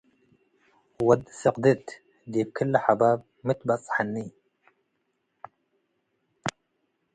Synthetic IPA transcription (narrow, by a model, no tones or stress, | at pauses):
wad̪sɑqd̪ɪt̪ | d̪iːb̚kʰɪlːħabaːb̚ | mɪt̪basˤħanːiː